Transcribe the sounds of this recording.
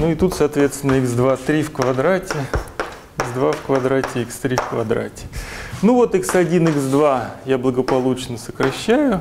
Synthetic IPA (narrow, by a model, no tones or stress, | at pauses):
nuɪt̪ut̪sɐːt̪vʲe̞t̪st̪ʲɪnːəiɡzd̪vat̪ɾʲifkvɐd̪ɾatʲɪ | iɡzd̪vafkvɐd̪ɾatʲɪikst̪ɾʲifkvɐd̪ɾa̰tʲɪ̥nuvo̞t̪ɨksɐdʲinɨɡzd̪vajablˠəɡəpɐlˠut͡ɕnəsə̥kɾɐɕːæjʊ